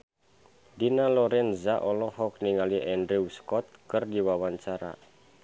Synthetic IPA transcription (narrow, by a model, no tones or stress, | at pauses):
dinalɔɾɛnzaʔɔlɔhɔk̚niŋaliʔɛndɾiuskɔt̪̚kɨrdiwawaɲt͡ʃaɾa̰